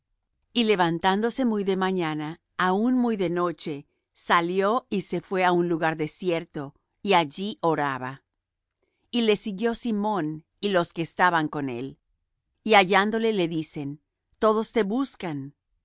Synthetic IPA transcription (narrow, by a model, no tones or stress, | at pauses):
ile̞βant̪and̪o̞se̞mujðe̞maɲanaː | unmujðe̞no̞t͡ʃe̞ | saljo̞ise̞fwe̞aunluɣaɾðe̞sje̞ɾt̪o̞ | iaʝiʔo̞ɾaβa | ile̞siɣjo̞simõ̞n | ilo̞ske̞ːst̪aβaŋko̞ne̞̰l | iaʝand̪o̞le̞le̞ðise̞n | t̪o̞ðo̞st̪e̞βuskan